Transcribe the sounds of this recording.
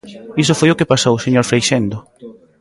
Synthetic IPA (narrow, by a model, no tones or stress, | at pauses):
isʊfojʊkepasowseɲoɾfɾejʃend̪ʊ